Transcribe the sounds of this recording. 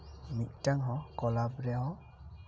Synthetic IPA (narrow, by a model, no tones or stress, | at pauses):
mit̚taŋɦɔkɔlabɾeɦɔ